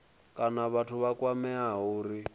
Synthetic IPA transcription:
kʼanaβatʰuβakwamɛaɦuːɾi

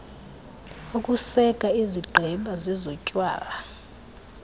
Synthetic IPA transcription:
ukʼusɛɡ̥ʱʼaiziɡ͡ǃʱɛmɓʱʼazizɔcʼwa̰ːla

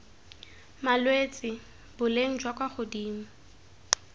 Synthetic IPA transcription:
malwet͡sʼɪ | bʊleŋ̩d͡ʒwakʼwaχʊdiːm̩

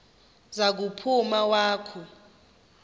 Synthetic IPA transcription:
zak̬upʰumawaːkʰu

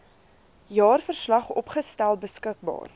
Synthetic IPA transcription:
jɑːrfərslɐχɔpχəstælˠbəskək̚bɑ̰ːr

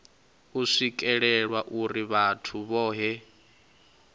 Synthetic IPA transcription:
uʂikʼɛɺɛɺwaʔuɾiβatʰuβɔːɦɛ

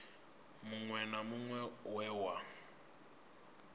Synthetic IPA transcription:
muŋwɛnamuŋwɛwɛwa

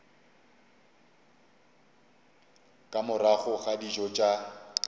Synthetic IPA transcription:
kʼamʊraɣʊɣadid͡ʒɔt͡ʃʼa

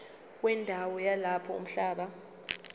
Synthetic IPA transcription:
k̬wɛndʱawɔjalapʰɔṵm̩ɬaːɓa

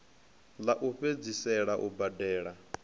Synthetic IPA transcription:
laʔuɸed͡zisɛɺaʔubadɛːɺa

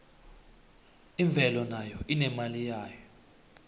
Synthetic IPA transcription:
iɱb̪vʱɛlɔnajɔinɛmalijaːjɔ

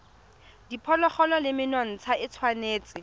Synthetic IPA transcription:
dipʰɔlɔχɔlɔlɪmɪnɔn̩t͡sʰaɪt͡sʰwaneːt͡sʼɪ

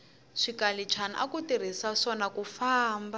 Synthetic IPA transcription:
ʂikalit͡ʃʰanaʔa̰kutiɾ̤isaʂɔnakufaːmba

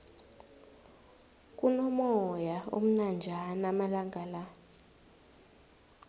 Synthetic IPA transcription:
k̬ʼunɔmɔjao̰m̩nand͡ʒʱanamalaŋɡʱala

